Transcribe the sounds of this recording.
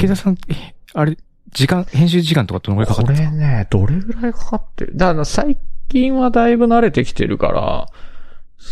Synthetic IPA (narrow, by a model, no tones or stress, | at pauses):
kezasãnaɾe | d͡ʑikãhẽɕ̬ɨːʑikãnt̪o̞kat̪onoɡoɾikakaoɾened̪̥o̞ɾe̞ɡɯ̟ɾaikḁkat̪ːḛɾɯ̟d̪anasaikʲĩɰ̃βad̪aibɯ̟naɾe̞t̪e̞kʲi̥t̪e̞̰ɾʔɯ̟ka̰ɾa̰